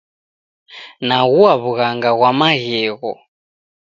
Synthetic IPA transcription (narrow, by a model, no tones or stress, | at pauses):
naɣuaβuɣaŋɡaɣwamaɣɛːɣɔ